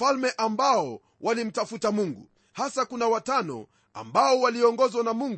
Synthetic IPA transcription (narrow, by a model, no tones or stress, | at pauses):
almɛʔambaɔ | wʔalim̩tafutamuŋɡṵ | hasakunawatanɔ̰ | a̰mbaɔwaliɔŋɡɔzwanamuŋɡ